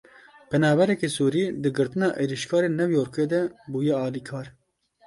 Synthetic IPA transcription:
pɛnɑːbɛɾɛkesuːɾiːd̪ɨɡɨɾt̪ɨnɑːʔeːɾiʃkʰɑːɾeːnɛvjoːɾkeːd̪ɛbuːjɛɑːliːkʰɑːɾ

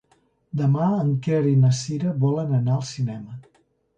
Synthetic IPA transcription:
d̪əmaəŋkɛɾinəsiɾəβɔlənənaəlˠsinɛmə

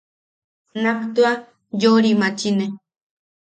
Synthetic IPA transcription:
nakt̪ua | joɾimãt͡ʃine

